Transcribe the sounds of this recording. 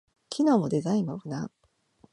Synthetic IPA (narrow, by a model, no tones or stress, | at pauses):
kʲinoːmo̞d̪e̞zaĩmabɯ̟na